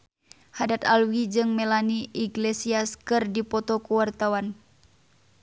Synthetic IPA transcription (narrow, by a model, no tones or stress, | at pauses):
hadat̪alwid͡ʒɨŋmɛlaniʔiɡlesiaskɨrdipɔt̪ɔkuwart̪awan